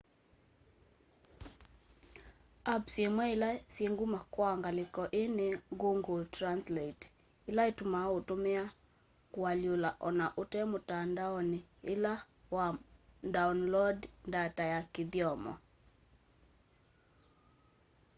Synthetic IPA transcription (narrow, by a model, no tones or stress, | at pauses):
apsemwɛɪlasieŋɡumakwaŋɡalɪkɔʔeneɡoŋɡotɾanslet | ɪlaetumaotomɛa | kwaljolaʔɔnaʔotɛmʊtandaɔnɪɪla | wadawnlɔdndatajakɪd̪jɔmɔ̰